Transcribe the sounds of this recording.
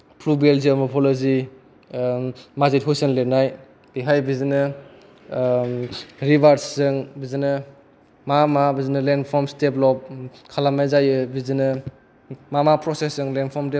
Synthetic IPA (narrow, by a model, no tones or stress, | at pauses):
pʰlubelziamɔpʰɔlɔzi | mazit̚ɦojsɯnlenaj | b̥iɦajbizinɯ | ɾibaɾssɯŋbizinɯ | mamabizinɯlenpʰɔmsteplɔp̚kʰalamajzajɯbizinɯ | mamapɾɔsesɯŋlenpʰɔmde